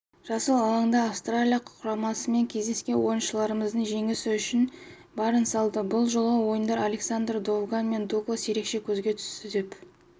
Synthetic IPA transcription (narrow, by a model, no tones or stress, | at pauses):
ʒ̥ɑsəlˠɑlˠɑɴd̪ɑːfst̪ralʲijaqqʰʊɾɑmɑsəme̞ŋkʲʰe̞zd̪e̞skʲe̞nwo̞jənʃəlˠɑɾəməzd̪əɴʒe̞ŋɪsɪʏʃɪn | bɑɾənsɑlˠd̪əbʊlˠʒolˠəwo̞jənd̪ɑɾalʲe̞ksand̪rd̪o̞vɡanme̞nd̪uk̪osje̞ɾe̞kʃe̞kʲʰɵzɡʲe̞t̪ʰʏ̥st̪ɪd̪e̞p